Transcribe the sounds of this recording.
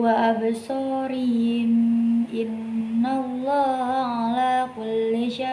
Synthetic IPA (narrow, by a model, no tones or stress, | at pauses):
waʔabsɑːɾɪɦɪmʔɪnː | alˤːɑːɦaʕalaːkʊlːɪʃa